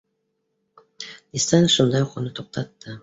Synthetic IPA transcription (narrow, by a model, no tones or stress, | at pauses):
ist̪anʃʊnd̪ɑjqʰonɪt̪ʰoq̚t̪ʰɑt̪ːɪ